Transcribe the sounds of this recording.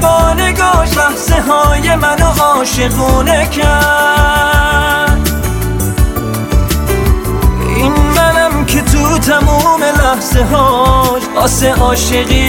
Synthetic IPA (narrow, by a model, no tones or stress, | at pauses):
bɔːneɡɔːʃlæhzeɦɒːjemænoʔɔːʃemuːnekʰæ | d̪ | ʔinmænæmkʰet̪ʰut̪ʰæmuːme̞læhz̥eɦɒːʃɒːseʔɒːʃeɣiː